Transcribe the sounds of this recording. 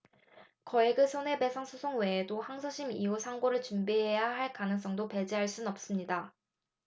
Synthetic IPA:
kʌeɡɯsʰone̞pe̞sʰaŋsʰusʰoŋwe̞ːdohaŋsʰoɕʰimiusʰaŋɡoɾɯɭt͡ɕumbiɦe̞jaɦaɭkanɯŋs͈ʌŋdope̞d͡ʑiɦaɭs͈unʌp̚s͈ɯmɲida

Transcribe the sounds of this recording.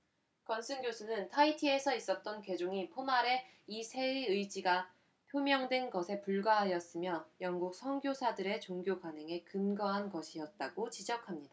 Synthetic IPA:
kʌnsʰɯnɡjosʰunɯntʰaitʰie̞sʰʌis͈ʌt̚t͈ʌnke̞d͡ʑoŋipʰomaɾe̞ | isʰe̞iɯjd͡ʑiɡa | pʰjomjʌŋdwe̞nɡʌsʰe̞puɭɡwaɦajʌs͈ɯmjʌjʌŋɡuk̚sʰʌŋɡjosʰadɯɾe̞t͡ɕoŋɡjokwanɦe̞ŋe̞kɯnɡʌɦanɡʌɕʰiʌt̚t͈aɡ̥ot͡ɕid͡ʑʌkʰamɲid̥a

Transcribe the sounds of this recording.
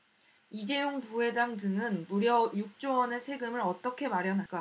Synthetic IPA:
id͡ʑe̞joŋpuɦe̞d͡ʑaŋdɯŋɯnmuɾjʌjuk̚t͡ɕ͈owʌne̞sʰe̞ɡɯmɯɾʌt͈ʌkʰe̞maɾjʌnɦak͈a

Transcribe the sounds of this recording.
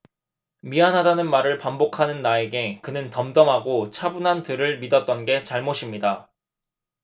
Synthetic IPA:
mianɦadanɯnmaɾɯɭpambokʰanɯnːae̞ɡe̞kɯnɯntʌmdʌmɦaɡot͡ɕʰabunɦantɯɾɯɭmidʌt̚t͈ʌnɡe̞t͡ɕaɭmoɕʰimɲida

